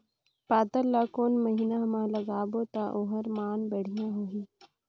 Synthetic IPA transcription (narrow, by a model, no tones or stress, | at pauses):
paːt̪əllakoːnməɦiːnaɦɐmãːlɐɡaːbot̪aʔoːɦəɾmaːnbəɽ̤ijãɦoɦiː